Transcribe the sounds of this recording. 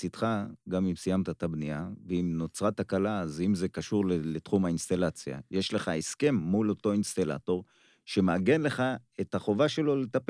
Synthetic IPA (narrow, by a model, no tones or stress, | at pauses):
sit̪χaɡamimsijamt̪at̪abniaveimnot͡sʁat̪hakalazimze̞kaʃuʁlelet̪χumhainst̪alat͡sja̰je̞ʃle̞χae̞ske̞mːulo̞to̞inst̪ala̰to̞ʁ | ʃe̞meaɡe̞nle̞χae̞t̪haχo̞vaʃe̞lo̞let̪ap